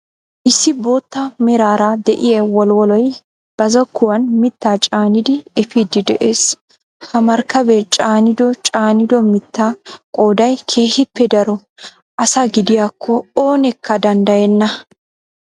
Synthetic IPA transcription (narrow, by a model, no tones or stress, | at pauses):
ʔɪsːɪbo̞ːt̪ːɐmɛɾaːɾad̪ɛʔɪjɛwɔlwɔlɔj | b̥ɐzɔkːʊwɐnmɪt̪ːaːt͡ʃʼaːnɪd̪ɪɛfiːd̪ɪd̪ɛʔeːs | hɐmɐɾkːɐbɛt͡ʃʼaːnɪd̪ɔt͡ʃʼaːnɪd̪ɔmɪt̪ːaːkʼo̞ːd̪ɐjkʰe̞ːhɪpːɛd̪ɐɾɔ | ʔɐsaɡɪd̪ɪjaːkʰːɔo̞ːnɛkʰːɐd̪ɐnd̪ɐjɛnːɐ